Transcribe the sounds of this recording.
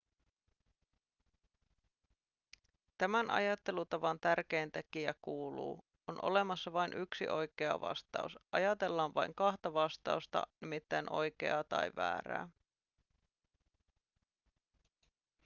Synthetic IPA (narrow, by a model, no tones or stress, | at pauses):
t̪æmænʔɑ̰jɑt̪ːe̞lut̪ɑʋɑnt̪ærk̟e̞ːnt̪ek̟iækuːlṵː | onʔo̞̰le̞mɑsːɑʋɑjnʔyksḭʔo̞jke̞ɑ̰ʋɑ̰st̪ɑ̰usʔɑjɑt̪e̞lːɑːnʋɑ̰jŋkɑht̪ɑʋɑst̪ɑ̰ust̪ɑ̰nimit̪ːæjnʔo̞̰jk̟e̞̰ɑt̪ɑ̰jʋæ̰ːɾæ̰ː